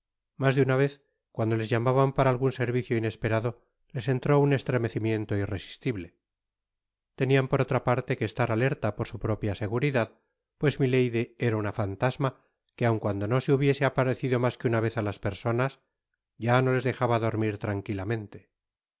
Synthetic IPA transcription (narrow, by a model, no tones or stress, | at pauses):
mazðeunaβ̞e̞θ | kwand̪o̞le̞zʝamaβampaɾaːlɣunse̞ɾβiθjoine̞spe̞ɾaðo̞ | le̞se̞nt̪ɾo̞une̞st̪ɾe̞me̞θimje̞nt̪o̞ire̞si̥st̪iβle | t̪e̞niampo̞ɾo̞t̪ɾapaɾt̪e̞keːst̪aɾale̞ɾt̪apo̞ɾsupɾo̞pjase̞ɣuɾiðað | pwe̞zmile̞jðie̞ɾaunafant̪azma | keawŋkwand̪o̞no̞seuβje̞se̞apaɾe̞θiðo̞maskeunaβ̞e̞θalaspe̞ɾso̞nas | ɟ͡ʝano̞le̞zðe̞xaβaðo̞ɾmiɾt̪ɾaŋkilamẽ̞nt̪e